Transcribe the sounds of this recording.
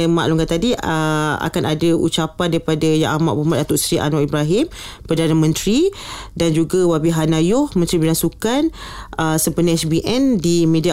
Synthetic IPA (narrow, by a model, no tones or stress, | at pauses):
ma̰ʔluŋkat̪adiəa̰kanadaṵt͡ʃapandaɾipadajaʔama̰ʔbumat̪dat̪ʊʔsɾiʔa̰nɔʔibɾaɦɪmpərdanamə̃nt̪ɾi | dand͡ʒuɡawabiɦanajɔhmə̃nt̪ɾibinasukanəsəpənaɛsbiʔɛndimẽdia